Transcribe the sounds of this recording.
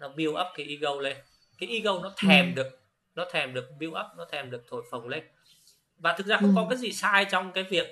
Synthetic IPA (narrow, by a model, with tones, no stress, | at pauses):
nɔ˨˦ɓi˧əwʔə˦˥p̚kaː˨˦jʔi˧ɣə˧wle˧n | kaː˨˦jʔi˧ɣə˧wnɔ˨˦t̪ʰɛ˨˩mɗɨ˨˩ək̚ | nɔ˨˦t̪ʰɛ˨˩mɗɨ˨˩ək̚ɓi˧əwʔə˦˥p̚nɔ˨˦t̪ʰɛ˨˩mɗɨ˨˩ək̚t̪ʰo˧˩jfə˨˩wŋ͡mle˧n | vaː˨˩t̪ʰɨ˨˩k̚zaː˧xə˧wŋ͡mkɔ˨˦kaː˨˦jzḭ˨˩saː˧jt͡ɕɔ˧wŋ͡mkaː˨˦jvi˨˩ək̚